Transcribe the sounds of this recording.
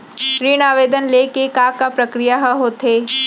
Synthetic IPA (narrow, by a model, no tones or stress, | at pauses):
ʃɾiːnaːʋeːd̪ənlekekakapɾɐkɾijaɦəɦot̪ɦeː